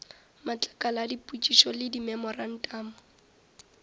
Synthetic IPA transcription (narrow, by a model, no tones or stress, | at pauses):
mat͡ɬʼḁkʼalaːdipʼut͡ʃʼiʃɔlɪdimɛmɔran̩tʼaːmʊ